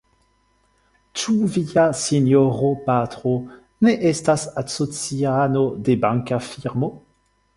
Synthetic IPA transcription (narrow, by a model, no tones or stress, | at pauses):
t͡ʃuviasinoʁopat̪ʁo | neʔɛst̪asasot͡sianod̪ebãŋkafiʁmo